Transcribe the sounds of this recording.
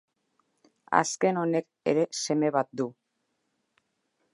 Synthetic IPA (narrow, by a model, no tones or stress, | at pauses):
a̰ske̞no̞ne̞k | e̞̰ɾe̞se̞me̞βat̪̚d̪u